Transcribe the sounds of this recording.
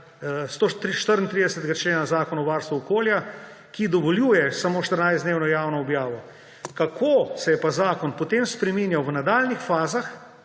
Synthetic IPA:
st̪ot̪iʃt̪əɾnt̪ɾiːd̪ɛsət̪ɛɡat͡ʃleːnazaːkɔnaɔʋaːɾst̪ʋuɔkoːlja | kid̪ɔʋɔljuːjɛsamoːʃt̪əɾnajzd̪neːwnɔjaːwnɔɔbjaːʋɔ | kakʰosɛjɛpazaːkɔnpɔt̪emspɾɛminjawʋnad̪aːlnixfaːzax

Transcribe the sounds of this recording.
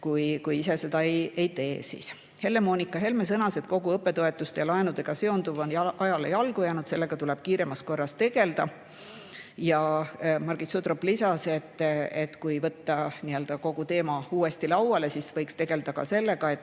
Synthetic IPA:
kujkujise̞se̞d̪ɑeje̞jt̪e̞ːsḭs | he̞lːe̞mo̞ːnʲikːˑɑɦe̞lme̞s̬ɤnɑse̞d̪̥̚ko̞ɡuɤpːˑe̞t̪o̞e̞t̪ːˑust̪ejɑlɑenud̪e̞ɡ̥ɑse̞o̞nd̪uvo̞njɑʔɑjɑle̞jɑlɡ̥ujæːnud̪̥se̞lːe̞ɡ̥ɑt̪ulɛb̥̚kiːɾe̞mɑst̪ko̞rːɑst̪t̪e̞ɡ̥e̞ld̪̥ɑ | jɑmɑrɡ̥isut̪roplisɑse̞t̪ˑːet̪ːkujvɤt̪ːɑniø̞ld̪̥ɑko̞ɡ̥ut̪e̞ːmɑuːe̞st̪ilɑwwɑle̞sisvɤjkst̪e̞ɡ̥e̞ld̪̥ɑkɑ̰se̞lːe̞ɡ̥ɑe̞t̪ːˑ

